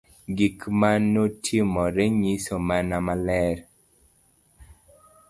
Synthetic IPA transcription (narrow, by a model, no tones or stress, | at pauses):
ɡikmanotʰimɔɾeɲisomanamalɛɾ